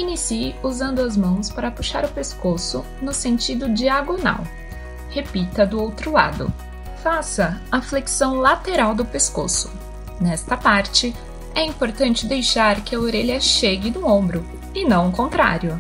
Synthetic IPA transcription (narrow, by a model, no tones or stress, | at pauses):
inisiuzɐ̃nd̪ʊɐzmɐ̃w̃spaɾɐpuʃa̰ɾʊpeskosʊ | nʊsẽnt͡ʃid̪ʊd͡ʒiaɡona̰w | hepit̪ɐd̪ʊowt̪ɾʊla̰d̪ʊ̰ | fasɐɐfleksɐ̃w̃lat̪eɾawd̪ʊpesko̰sʊ̥ | nɛst̪ɐpaɾt͡ʃɪ | ɛĩmpoɾt̪ɐ̃nt͡ʃɪd̪ejʃaɾkɪɐoɾeʎɐʃeɡɪd̪ũõmbɾʊ | ɪnɐ̃w̃kõnt̪ɾa̰ɾjʊ